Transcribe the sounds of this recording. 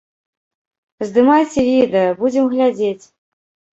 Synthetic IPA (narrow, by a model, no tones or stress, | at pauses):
zd̪ɨmajsʲevʲid̪əbud͡zʲɪmɣlʲad͡zʲet͡sʲ